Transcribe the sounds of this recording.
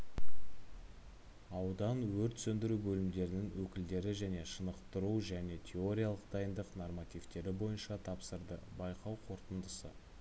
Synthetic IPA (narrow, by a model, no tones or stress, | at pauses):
ɑwd̪ɑnwɵɾt̪sɵnd̪ɪɾubɵlɪmd̪e̞ɾɪnɪŋwɵkʲɪld̪e̞ɾɪʒæne̞ʃənəqt̪əɾuʒæne̞t̪ʲʰe̞o̞ɾʲijalˠəq̚d̪ɑjənd̪əqnormat̪ʲijft̪e̞ɾɪbo̞jənʃɑt̪ʰɑpsəɾd̪əbɑjqʰɑwqʰo̞ɾt̪ənd̪əsə̰